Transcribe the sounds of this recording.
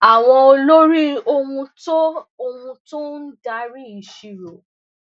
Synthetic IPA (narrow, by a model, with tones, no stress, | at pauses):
a˨w̃ɔ̃˧o˧lo˦ɾi˦o˧wũ˧to˦o˧hũ˧tũ˦n̩˦da˧˦ɾi˦i˨ʃi˨ɾo˨